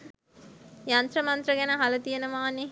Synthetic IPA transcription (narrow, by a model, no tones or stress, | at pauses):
jant̪rəmant̪rəɡænəɦalɐt̪ijenəʋaːne